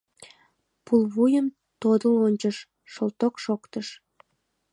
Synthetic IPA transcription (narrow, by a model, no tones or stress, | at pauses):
pulβujəm | t̪od̪əonʲt͡ɕəʃ | ʃolt̪okʃokt̪əʃ